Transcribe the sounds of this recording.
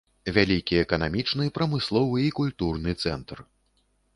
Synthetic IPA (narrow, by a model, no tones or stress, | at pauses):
vʲalʲikʲiɛkɐnamʲit͡ʂnɨpɾɐmɨslˠɔvɨːkulʲt̪urnɨt̪sɛnt̪r